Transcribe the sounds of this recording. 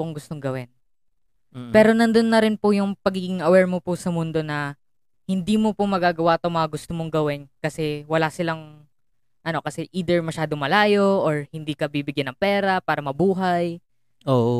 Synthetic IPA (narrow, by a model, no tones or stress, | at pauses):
oŋɡʊst̪o̞ŋɡɐwɪn | pɛːɾo̞nɐnd̪onːɐɾɪnpʊjʊŋpɐɡiɡɪŋɐwɛɹmopʊsɐmʊnd̪o̞nɐ | hɪnd̪iːmopomɐɡaːɡɐwat̪oŋmɐŋɐɡʊst̪omoŋɡɐwɪnkɐsɛwɐlasɪlɐŋ | ʔɐno̞kɐsɛʔiːd̪ɛɹmɐʃaːd̪o̞ŋmɐlaːjo̞ʔoɹhɪnd̪iːkɐbibɪɡjanːɐŋpɛːɾɐpaːɾɐmɐbuːɦɐj | o